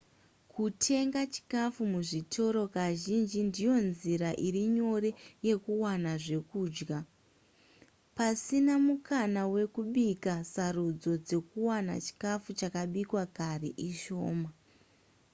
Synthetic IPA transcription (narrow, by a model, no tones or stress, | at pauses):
kʰutʰe̞ŋɡat͡ʃi̥kafumuʐitʰo̞ɾo̞kaʒind͡ʒindijo̞nziɾaʔiriɲo̞re̞je̞kuwanaʐe̞kuːd͡ʒɡa | pasinamukanawe̞kuɓikasarud͡zo̞d͡ze̞kuwana̰t͡ʃi̥kafut͡ʃakaɓikwakariʔiʃo̞̰ːma